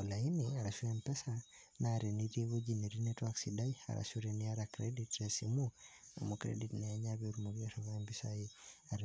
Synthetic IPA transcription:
olainiaɾaʃuɛmpɛsa | naɾeniɾieβod͡ʒiniɾinɛtwaksidaia̰ɾa̰ʃuɾeniaɾakɾeditɾesimṵmukɾḛditnɛːɲaβeuɾumoɡiaɾɔkaɛmbisaiaɾ

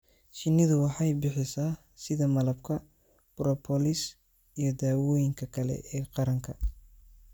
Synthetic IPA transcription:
ʃɪnɪðʊwɑħɑjbɪħɪsaː | sɪðɐmɐlɐbkʰɐ | b̥rɔpʰɔlɪs | ijɞd̪aːwɔːjɪŋkʰɐkʰɐlɛ̰ʔɛːqɑɾɐŋkʰɐ

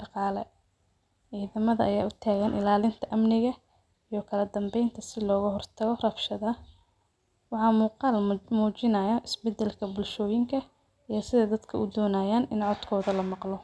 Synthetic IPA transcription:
ɖɑqɑːlɛ | ʕiːðɐmɐðɐɐjaːʊt̪ʰaːɣɐnʔɪ̰laːlɪnt̪ʰɐʔɐmnɪɣɐ | ijɞkʰɐlɐd̪ɐmbɛjnt̪ʰɐsɪlɔːɣɐɦɔrt̪ʰɐɣɔrɐfʃɐðɐ | wɑħɑːmuːqɑːlmuːt͡ʃɪnɐjɐʔɪsbɛd̪ɛlkʰɐbʊlʃɔːjɪŋkʰɐ | ijɔsɪðɐd̪ɐd̪kʰɐʔʊd̪ɔːnaːjaːnɪnʕɔd̪kʰɔːðɐlɐmɑqlɔ

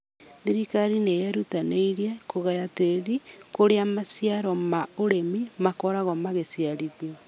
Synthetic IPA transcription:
ðiɾikaɾinejɛɾutaneiɾiɛkoɣajateɾikoɾeamasjaɾɔmaoɾemimakɔɾaɣɔmaɣesjaɾiðiɔ

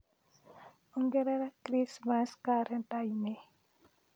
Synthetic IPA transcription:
ɔŋɡeɾɛɾakɾismaskaɾɛntajme

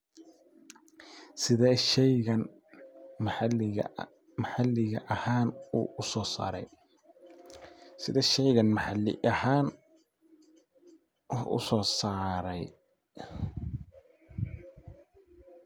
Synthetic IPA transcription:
sɪðɛːʃɛjɣɐn | ml̰ | mɐħɑlːɪɣɐʔɐhaːnṵːʔʊsɔːsa̰ːɾɛ̰j | sɪðɛːʃɛjɣɐnmɐħɑlɪ̰ʔɐhaːn | wħʔʊ̰sɔːsaːɾɛj

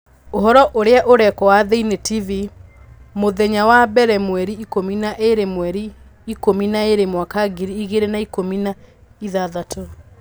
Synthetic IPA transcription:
oɦɔɾɔʔoɾeaʔoɾɛkɔwaðeinetivi | moðɛɲawabɛɾɛmwɛɾiikominaʔeɾemwɛɾi | ikominaeɾemwakaɡiɾiːɣeɾenaikomina | iðaðatʰɔ

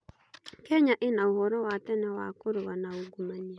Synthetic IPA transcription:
kɛɲaʔenaohɔɾɔwatɛnɛwa̰koɾowanaoɡumania

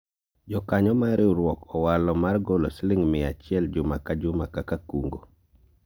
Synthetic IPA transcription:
d͡ʒɔkaɲɔmaɾʔɪɾwɔkɔwalɔmarɡoloslɪŋmɪat͡ʃɪɛld͡ʒʊmakad͡ʒʊmakakakuŋɡo̰

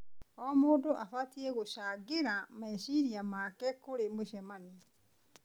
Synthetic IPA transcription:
ɔmoːdoʔafatiɛɣoʃaːɡeɾamaeɕiɾiamaːkɛkoɾemoʃɛmani

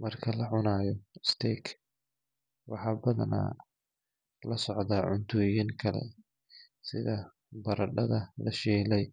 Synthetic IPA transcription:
mɐrkʰɐlɐʕʊnaːjɔst̪ʰɛːkʰ | wɑħɑːbɐðɐna̰ː | lɐsɔʕd̪aːʕʊnt̪ʰɔːjɪŋkʰɐlɛ̰ | sɪðɐ | bɐɾɐɖɐðɐlɐʃɛːlɛj

